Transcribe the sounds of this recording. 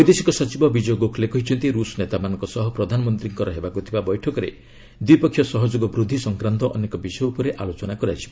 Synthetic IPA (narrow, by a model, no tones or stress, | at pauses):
ɔjd̪esikɔsɔt͡ʃibɔbid͡ʒɔjɔɡokʰlekɔɦit͡ʃʰɔnt̪iɾusɔnet̪amanɔ̃ŋkɔsɔɦɔpɾɔd̪ʱanɔmɔnt̪ɾiŋkɔɾɔɦebakut̪ʰibabɔjʈʰɔkɔɾḛ | d̪wipɔkʰːjɔsɔɦɔd͡ʒoɡɔbɾud̪ʱːisɔŋkɾant̪ɔʔɔnekɔbisɔjɔupɔɾeʔalot͡ʃɔnakɔɾat͡ʃʰi̥ba